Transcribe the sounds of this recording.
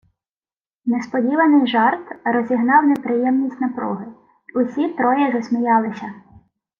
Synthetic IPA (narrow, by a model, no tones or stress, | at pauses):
nespɔdʲiʋɐnɪjʒɑrt̪rɔzʲiɦnɑwnepɾɪjɛmnʲisʲtʲnɐpɾɔ̰ɦɪ | ʊsʲit̪ɾɔjɛʒɔsʲmʲijɑlˠɪsʲɐ